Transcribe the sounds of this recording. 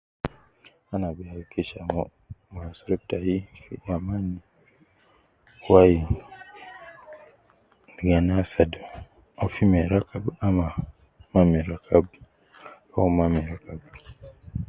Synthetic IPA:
anabɛakʰɛʃamɔ | masuɾɛp̚tajijamani | waji | dɡanasado | afimɛɾakabama | mamɛɾakʰab | amamɛɾakab

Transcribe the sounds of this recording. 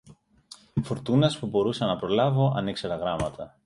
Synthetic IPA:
foɾt̪unɐspubo̞ɾusɐnɐpɾo̞lɐvo̞ʔɐ̰neikseɾɐɣɾɐmɐt̪ɐ

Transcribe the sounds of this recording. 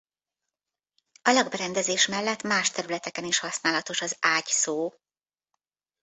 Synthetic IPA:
ɒlɒɡbɛɾɛnd̪ɛzeːʃmɛlːɛt̪maːʃt̪ɛɾylɛt̪ɛkɛniʃhɒsnaːlɒt̪o̞ʃɒzaːɟsoː

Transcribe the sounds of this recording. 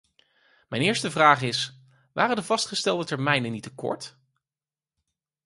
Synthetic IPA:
mɛjnɪːɹstəvraːχɪs | ʋaːrəndəvɑstχəstɛlˠdətɛɹmɛjnənitəkɔ̰ɹt

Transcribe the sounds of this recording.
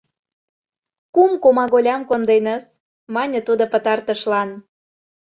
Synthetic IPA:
kumkomɑɣolʲɑmkond̪enəs | mɑnʲə̆t̪ud̪opə̆t̪ɑrt̪əʃlɑn

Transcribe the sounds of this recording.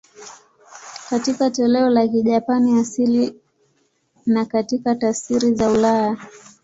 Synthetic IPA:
katikatɔlɛɔlakiʄapaniasili | nakatikatasiɾizaulaja

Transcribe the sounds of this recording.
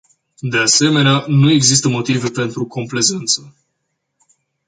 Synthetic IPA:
d̪e̞ase̞me̞neanue̞ɡzis̬t̪əmo̞t̪ive̞pe̞nt̪ɾuko̞mple̞ze̞nt̪sə

